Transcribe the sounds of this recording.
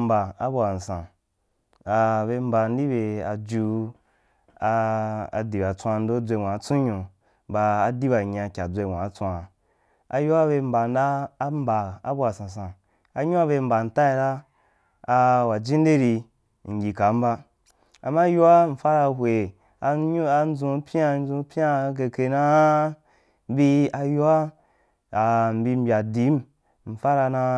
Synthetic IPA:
m̩˦ba˨a˦bo˧˨a˨n̩˨sã˨ | a˨be˧m̩˦ba˧n˦di˦be˧a˧d͡ʒu˧ | di˨ba˨t͡sʷã˧n̩˦do˦d͡zʷe˧ŋʷ˨ã˨˦t͡sũ˦ɲõ˨ | baː˧˨di˦ba˨ɲã˧kʲa˨d͡zʷe˧˨ŋʷ˨ã˨˦t͡sʷã˧ | a˧ju˦a˦be˧m̩˦ba˨˧n̩˦da˦m̩˦ba˨a˦bo˦a˨sã˨s̬ã˨ | a˧˦ɲũ˦a˦βe˧m̩˨ba˨n̩˨˦ta˦i˧ɾa˦ | a˧wa˨d͡ʒĩ˦n˦de˦ɾi˧ | ŋ̩˨ɡʲi˨ka˨˦m̩˦ba˦ | a˨ma˦ju˦wa˦ɱ̩˨fa˦ɾa˧ɦʷwe˨ | a˧˦a˧n˦d͡zũ˧˦pʲa˦˨n˦d͡zũ˧˦pʲa˦ke˧ke˧na˦ | bi˧a˧ju˦wa˦ | a˨m̩˨bi˧m̩˦bʲa˨di˨˦m˦ | n̩˨fa˦ɾa˧na˧

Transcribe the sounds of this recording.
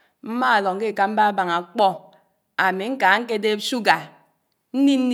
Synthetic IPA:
m̩˦ma˦a˨lɔ˨ŋ˨ke˦˨ka˨m̩˦ba˦ba˨ŋa˨k͡pɔ˦ | a˨me˨ŋ̩˦ka˨˦ŋ̩˦k̬e˦de˦su˦ɡa˨ | n̩˦ni˦n̩˦n˦

